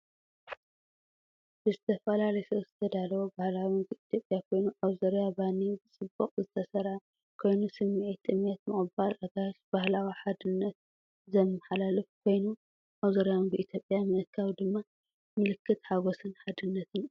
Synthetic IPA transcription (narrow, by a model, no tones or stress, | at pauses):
b̥ɨzɨt̪ʰɐfɐlalɐjsɐwz̥ɨt̪ʰɐd̪alɐwobahlawinbɨʔit̪ʰjo̞pʼːjakʰo̞jnuʔaβzɐɾjabanibɨt͡sʼɨbːɐqʼzɨt̪ʰɐsɐɾa | kʰo̞jnusɨmːiʕit̪ʼːɨmet̪mɨχʼɨbalʔaɡaɾʃb̥ahlawiħad̪ɨnːɐt̪̚ | zɐmːɐħalalɨfkʰo̞jnu | ʔaβzɐɾjawnbɨʔit̪ʰjo̞pʼːjamɨʔɨkʰawid̪ɨmːa | mɨlɨkʰːɨt̪ħaɡosɨnħad̪ɨnːɐt̪ʰɨn